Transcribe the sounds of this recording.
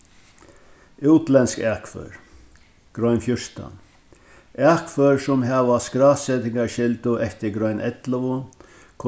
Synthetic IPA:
ɪwt̪lɛnskɛakfœ̰ɾ | ɡ̥ɾɔɥnfjʊʂt̪a̰n | ɛkfœɹsʊmɦɛʋaskɾaːsɛt̪ɪŋkaɾʃɪlt̪ʊʔɛft̪ɪɡɾɔjnʔɛt̪ləʋʊ | kʰ

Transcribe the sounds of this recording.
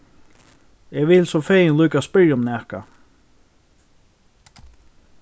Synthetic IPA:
ɛːʋɪlsɔfeːjɪnluːkaspɪɹjaʊmnɛka̰

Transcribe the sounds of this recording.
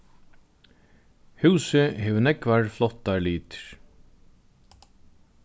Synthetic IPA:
hʉːsɪɦeːʋnɛkvaɹflɔht̪ːaɹliːt̪ɹ̥

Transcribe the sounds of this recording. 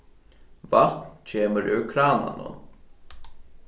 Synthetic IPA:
valt̪nt͡ɕʰeːməɹʔʏɹkʰɾaːna̰nə̰n

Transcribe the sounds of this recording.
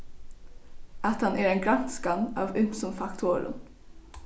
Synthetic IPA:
ɑt̪hɑnʔæːɾeːnɡɾɑnskɑnɑːʋʉmsɔmfɑkt̪ʰoɾʊ̰n

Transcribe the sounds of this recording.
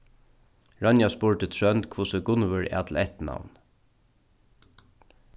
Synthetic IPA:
ɹɑnjaspʊɹt̪ɪt̪ʰɹœnt̪kʰvusəɡʊnvəɹɛ̰ːt̪ʰlɛht̪na̰wn

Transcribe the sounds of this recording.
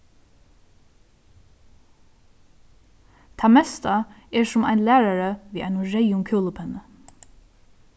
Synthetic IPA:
t̪ʰaːmɛst̪aɛɹsʊma̰ɪnlæːɹaɹəʋiːʔa̰ɪnʊɹɛjʊŋkʰuːləpʰɛnə

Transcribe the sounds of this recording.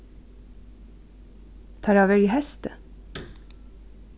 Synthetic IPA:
t̪ʰɑːɾɑːʋəɹiːhɛst̪ə

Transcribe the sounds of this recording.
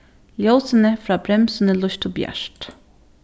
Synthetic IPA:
ljoːsənəfɾɑːbɾɛmsənəlʊʃt̪ʰʊbjæ̰ʃʈ

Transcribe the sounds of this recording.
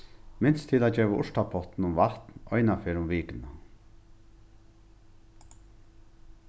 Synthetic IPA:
mɪnst̪ʰɪlaːd͡ʒeːʋaʔʊʂʈ̪apʰɔht̪nʊmʋaht̪nɔ̰jnafɛːɾʊmʋiːkɪna

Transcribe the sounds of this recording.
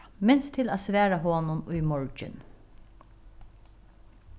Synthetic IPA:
mɛnst̪ʰɪlaːsʋæːɾaɦoːnʊnʊjmɔɹd͡ʒɪ̰n

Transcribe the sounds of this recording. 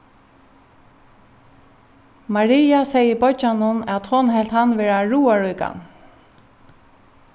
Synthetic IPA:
maɹiːasɛjəbɔd͡ʒanʊnæt̪hʊnɦɛl̥t̪hanʋɛːɹaɹuːaɹujka̰n

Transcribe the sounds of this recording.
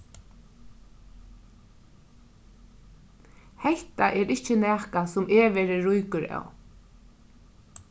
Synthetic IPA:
hɛht̪aʔɛɾɪt͡ʃənɛːkasʊmɛːʋɛːɾɪɹʊjkʊɾa̰w

